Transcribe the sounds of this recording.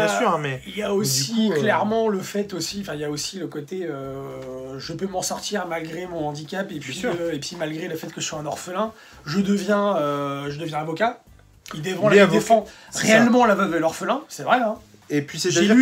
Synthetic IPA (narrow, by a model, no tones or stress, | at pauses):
jɛ̃syʁɛ̃mɛiljaosiklɛʁmɑ̃ləfɛt̪osĩfɛ̃iljaosiləkot̪eø | ʒəpømɑ̃sɔʁt̪iʁmalɡʁemɔ̃ɑ̃d̪ikʲapepɥiepʰɥimalɡʁeləfɛt̪̚kəʒə̥swaɛ̃nɔʁfəlɛ̃ | ʒəd̪əvjɛ̃øʒəd̪əvjɛ̃avɔka | ild̪efɑ̃lid̪efɑ̃ʁeɛlmɑ̃lavəvəlɔʁfəlɛ̃sɛvʁɛɛ̃ | epɥisɛʒ